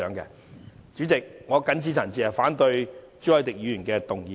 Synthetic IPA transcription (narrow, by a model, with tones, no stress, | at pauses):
œː˨˥ŋkɛ̰˧ | t͡ʃyː˨˥t͡sɪ˨k̚ŋɔː˨˧kɐ˨˥nt͡sʰiː˧˥t͡sʰa˨˩nt͡siː˨˧hɐ˨˩faː˨˥nt̪ɵ˧ɥ | t͡sy˨˥wɐ˨˥t̪ɪ˨k̚jyː˨˧jːnkɛː˧t̪ʊ˨ŋjiː˨